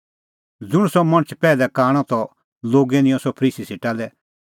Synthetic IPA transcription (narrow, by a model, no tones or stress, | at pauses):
d͡zʊɽ̃sɔmɐ̃ñət͡ʃʰpɛːlɛkaːɽ̃ɔt̪ɔ | loːɡɛnɪ̃jɔ̃sɔpʰəɾiːsiseːʈalɛ